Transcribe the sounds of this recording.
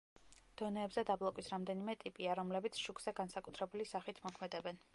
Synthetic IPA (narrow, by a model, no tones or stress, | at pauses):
d̪̥ɔnɛːbzɛd̪ablˠɔkʼwisɾamd̪ɛnimɛt̪ʼipʼiaɾɔmlɛbit̪sʰʃukʰz̥ɛɡansakʼut̪ʰɾɛbulisaχit̪ʰmɔkʰmɛd̪ɛbɛn